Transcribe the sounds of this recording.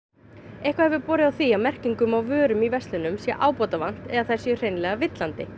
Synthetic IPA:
ejhkvahɛvʏɾpɔːɾɪðawθiaðmɛr̥ciŋkʏmawvœːɾʏmivɛst̪lɪnʏmsjɛʔaːwpɔt̪avan̥t̪ɛ̰ðaθaj̥sjɛʏr̥ejnlɛɣavɪt̪lant̪ɪ

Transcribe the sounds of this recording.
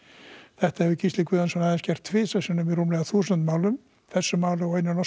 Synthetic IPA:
θɛht̪aɛvʏcʰist̪ɪkvʏːðansɛmnaðɛnscɛr̥t̪ʰvɪːsasinʏmirumlɛɣaθuːsnt̪maːwlʏm | θɛsːʏmaːwlʏawejnʏnɔ

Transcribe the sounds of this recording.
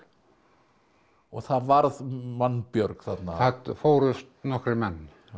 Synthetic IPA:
ɔɣθaðvaɾðmanːpjœɾkθat̪naat̪foːwɾʏst̪nɔhkɾɪmɛnː

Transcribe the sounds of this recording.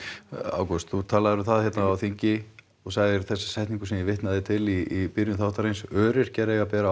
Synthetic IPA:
a̰ːwkɔst̪θut̪ʰaːlaðʏɾʏθaðhçɛt̪naawθiɲcɪ | ɔɣsaːɣðɪɾθɛsːḁsɛjht̪niŋkʏ̥sɛmjɪvɪht̪naðɪt̪ʰɪlipiɾjnʏθawht̪aɾejnsœːɾɪɾ̥cɛːɾɛɣapɛːɾa

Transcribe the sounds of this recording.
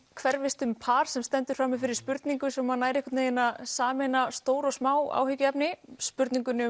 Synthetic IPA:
kʰvɛɾvɪst̪ʏmpʰaːɾ̥sɛmst̪ɛnt̪ʏɾ̥fɾaːmːɪfɪɾɪɾ̥spʏɾt̪niŋkʏsɔmhanːaːjɾɛhkʏ̥t̪nejɪnaðsaːmɪnast̪oːwɾɔɣsmaːwa̰ːwhʏcʏɛpnɪspʏɾt̪niŋkʏnʏ

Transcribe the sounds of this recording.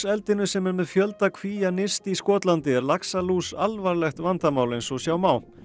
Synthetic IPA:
sɛlt̪ɪnʏsɛmɛɾmɛðfjœlt̪akʰviːjanɪst̪iskɔːt̪lant̪ɪɛɾlaksaluːsalvaɾlɛxt̪vant̪amaːwlejnsɔsjaːwmaːw

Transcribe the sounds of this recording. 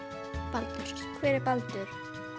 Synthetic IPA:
palt̪aɾ̥skʰvɛːɾɪɾpalt̪ʏɾ̥

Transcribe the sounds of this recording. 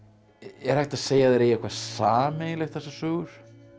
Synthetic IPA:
ɛɾ̥hajxt̪aðseːjaðeɾejɪkʰvaɾsaːmejlɛxt̪θɛsːasœːɣʏɾ̥

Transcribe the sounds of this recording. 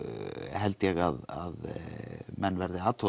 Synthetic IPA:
hɛlt̪jɛɣaða̰ð | mɛnːvɛɾðɪaːt̪ʰɔ

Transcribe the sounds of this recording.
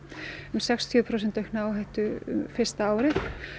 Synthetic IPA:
ʏmsɛkst̪ʰjʏːpʰɾows̬ɛnt̪œɥhknaːwɦajht̪ʏʏ̰mfɪr̥st̪aaːwɾɪ

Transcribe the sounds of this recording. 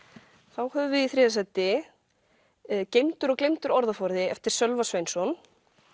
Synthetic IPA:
θawhœvʏvɪðiθɾɛːðɪsɛt̪ːɪ | cejmt̪ʏɾɔklejmt̪ʏɾɔɾðafɔɾðɪɛft̪ɪɾ̥sœlvasvejnsɔn

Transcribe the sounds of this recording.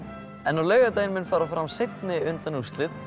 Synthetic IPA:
ɛnːaleːjɣat̪̬eːjnmɪnfaːɾawfɾamsejt̪nɪʏnt̪anust̪lɪt̪

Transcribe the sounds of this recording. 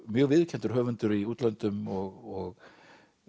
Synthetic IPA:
mjœːɣvɪðcʰɛnt̪ʏɾ̥ɦœːvʏnt̪ʏɾiuːt̪lant̪ʏmɔɣɔɣ

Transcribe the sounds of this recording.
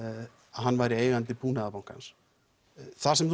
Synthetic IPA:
aðɦanːvajɾɪeːjɣant̪ɪpʰuːnaðapawŋ̥ka̰ns | θasɛmθ

